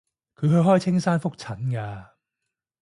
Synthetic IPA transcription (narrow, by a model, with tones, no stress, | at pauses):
kʰɵ˨˧ɥɦɵ˧ɥɦɔː˥jt͡sʰɪ˥ŋsaː˥nfʊ˥k̚t͡sʰɐ˨˦nkaː˧